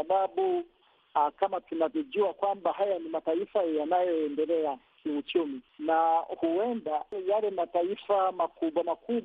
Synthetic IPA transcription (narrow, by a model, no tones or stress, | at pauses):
aɓaɓu | akamatunavɔʄuakwambahajanimataifajanajɔɛndɛlɛakiut͡ʃuminahuɛndajalɛmataifamakuɓwamakuɓ